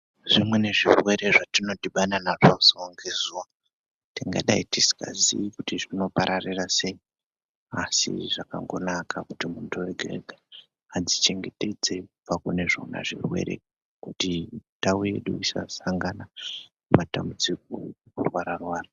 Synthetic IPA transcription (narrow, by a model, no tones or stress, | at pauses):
ʐimwe̞ne̞ʐirwe̞ɾe̞ʐatino̞tiɓananaʐauzooŋɡezuwa | tiŋɡa̰ɗaitisi̥ka̰ziikutiʐino̞paɾʔarirase̞i | asḭʐ̥aka̰ŋɡo̞̰nakakutimuntʰuweɡʱe̞̰ɡʱaː | d͡zit͡ʃe̞ŋɡe̞te̞d͡ze̞upakune̞ʐowna̰ʐḭrwe̞̰ɾe̞̰ | kutitauje̞̰ɗuisa̰saŋɡana | matambud͡zik̚o̰ekurwaɾarwaːra